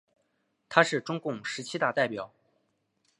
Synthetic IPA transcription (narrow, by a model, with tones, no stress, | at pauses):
t̪ʰa˥ʂɻ̩˥˩ʈ͡ʂʊ˥ŋkʊ˥˩ŋʂɻ̩˧˥t͡ɕʰi˥t̪a˥˧t̪a˥˩ɪpjɑ˨˩˦ʊ